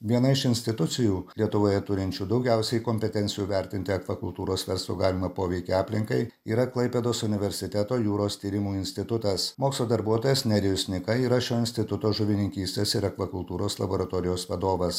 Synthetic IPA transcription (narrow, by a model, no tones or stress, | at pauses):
ʋʲiɛnɐɪʃɪnʲsʲt̪ʲɪt̪ʊt̪sʲɪjuːlʲiɛt̪ʊʋoːjɛt̪ʊɾʲɪnʲt͡ʃʲuːd̪ɒʊɡʲæˑʊsʲɛɪkomʲpʲɛt̪ʲɛnt̪sʲɪjuːʋʲɛɾʲt̪ʲɪnʲt̪ʲɪɐkʋɐkʊlˠt̪uːɾoːsʋʲɛɾslˠṵːɡɑːlʲɪmɐpoːʋʲɛɪkʲeɑːpʲlʲɪŋkɐɪiːɾɐklˠɐɪpʲeːd̪oːsʊnʲɪʋʲɛɾʲsʲɪt̪ʲɛt̪oːjuːɾoːst̪ʲiːɾʲɪmuːɪnʲsʲt̪ʲɪt̪ʊt̪ɐsmoːkslˠoːd̪ɐɾbuɔt̪oːjɛsnʲɛɾʲɪjʊsʲnʲɪkɐiːɾɐʃʲoːɪnsʲt̪ʲɪt̪ʊt̪oːʒʊʋʲɪnʲɪŋʲkʲiːsʲt̪ʲeːsɪɾɐkʋɐkʊlˠt̪uːɾoːslˠɐ̰boːɾɐt̪oːɾʲɪjoːsʋɐd̪oːʋɐs